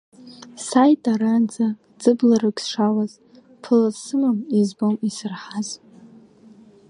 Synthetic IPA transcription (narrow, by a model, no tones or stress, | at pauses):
sajtʼaɾand͡za | d͡zɨblarɨksʂawaz | pʰɨlasɨmamizbomisɨrħaz